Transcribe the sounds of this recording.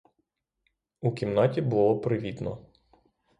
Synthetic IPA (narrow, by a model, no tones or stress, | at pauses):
ukʲimnɑtʲibʊlˠɔpɾɪʋʲid̪nɔ